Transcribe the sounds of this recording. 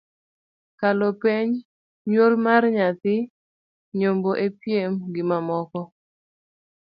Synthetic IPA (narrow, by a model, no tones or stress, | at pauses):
kalopeɲ | ɲwolmarɲat̪ɪ | ɲomboʔepjemɡɪmamɔkɔ